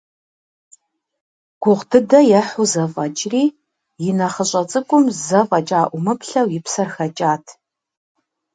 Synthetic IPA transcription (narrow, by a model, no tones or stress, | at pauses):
ɡ̥ʷʊʁdʰɨdɐjɛħʊzɐfʼɐt͡ʃʼriː | jɪnɐχəɕʼɐt͡sʼɨkʷʼʊmzɐfʼɐt͡ʃʼaːʔʷʊmɨpɬɐwjɪpsɐrxɐt͡ʃʼaːtʰ